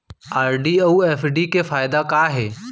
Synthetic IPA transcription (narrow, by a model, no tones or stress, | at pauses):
aːɾɖioueːfɖikefaːɪd̪akaːɦɛː